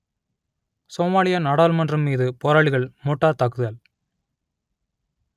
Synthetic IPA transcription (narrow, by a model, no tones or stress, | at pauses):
soːmaːɭɪjɐnɐɽaːlmɐndrɐmːiːðɯpɔɾaːɭɪɣɐɭmɔʈːaːɾt̪ɐkːɯðɐl